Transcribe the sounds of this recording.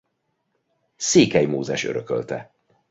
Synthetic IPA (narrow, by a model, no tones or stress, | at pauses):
seːkɛjmoːzɛʃø̞ɾøkø̰lt̪ɛ